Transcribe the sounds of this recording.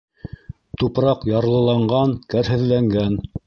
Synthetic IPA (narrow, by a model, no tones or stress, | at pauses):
t̪upɾɑqjɑɾlˠɤ̆lˠɑɴɢɑnkæɾɦɘ̆ðlæŋɡæn